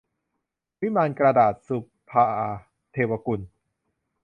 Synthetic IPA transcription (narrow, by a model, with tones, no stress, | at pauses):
wi˦˥maː˧nkɾa˧daː˨˩t̪̚su˨˧˩ppʰːaː˧ʔa˧ | t̪ʰeː˧wa˧ku˧n